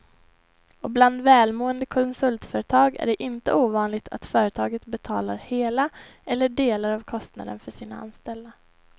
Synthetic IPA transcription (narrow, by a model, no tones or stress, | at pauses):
ɔbland̪vɛːlmoːənd̪əkʰɔnsɵlt̪fœːɾət̪ʰɑːɡæ̰ɖɛʔɪnt̪əuːvɑːnlɪɡt̪ʰa̰t̪fœːɾət̪ʰɑːɡət̪bɛt̪ʰɑːlaɾheːlaɛlːəɖeːlaɾavkʰɔst̪na̰d̪ənfœʂiːna̰a̰nst̪ɛld̪a